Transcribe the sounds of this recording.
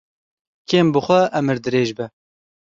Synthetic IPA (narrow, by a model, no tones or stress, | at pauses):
kʰeːmbɨxʷɛʔɛmɨɾd̪ɨɾeːʒbɛ